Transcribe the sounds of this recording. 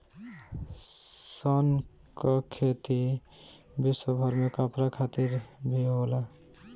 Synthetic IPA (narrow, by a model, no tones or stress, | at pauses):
sən | kɔkʰet̪i | biswəbʱʌɾmekəpɾakʰat̪iɾbʱiɦola